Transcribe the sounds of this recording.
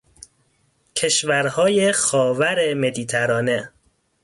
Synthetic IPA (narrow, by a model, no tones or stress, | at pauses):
cʰe̞ʃvæɾhɒːjexɒːvæɾeme̞d̪iːt̪ʰæɾɒːne